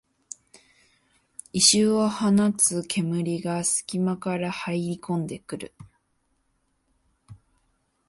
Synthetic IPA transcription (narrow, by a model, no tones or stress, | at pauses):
iɕɨːβahanat͡sɨkʰe̞mɯ̟ɾʲiɡasɨ̥kʲimakaɾahaiɾʲikõ̞nd̪e̞kɯ̟ɾɯ̟̰